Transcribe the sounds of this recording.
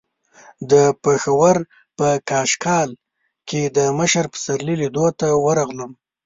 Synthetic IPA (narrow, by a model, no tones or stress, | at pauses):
d̪əpexawəɾ | pəkɑʃkɑl | ked̪əməʃəɾpə̥saɾlilid̪ot̪awəɾaɣləm